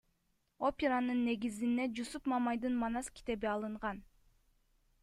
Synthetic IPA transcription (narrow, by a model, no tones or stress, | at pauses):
o̞pʲeɾanɯnːe̞ɡizind̪ed͡ʒusupmɑmɑjd̪ɯnmɑnɑskʲi̥t̪e̞biɑlˠɯɴʁɑn